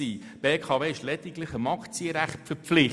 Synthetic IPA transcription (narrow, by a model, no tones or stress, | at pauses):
iː | b̥eːkʰɑveːɪʃlɛd̪̥ɪɡləχəmɑkt͡siəɾæχtfəɾpflɪ